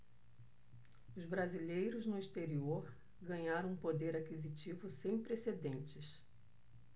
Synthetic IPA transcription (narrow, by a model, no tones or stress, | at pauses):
ʊzbɾazilejɾʊznʊist̪eɾioɾ | ɡɐ̃ɲaɾɐ̃w̃ũpod̪eɾakizit͡ʃivʊsẽj̃pɾesed̪ẽnt͡ʃɪs